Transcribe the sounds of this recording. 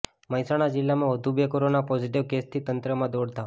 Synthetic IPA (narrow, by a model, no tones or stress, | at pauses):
məjsaɽ̃ad͡ʒilːamãʋəd̪ʱubjekoɾonapɔd͡ʒiʈiʋkest̪ʰit̪ənt̪ɾəmãd̪oɽt̪a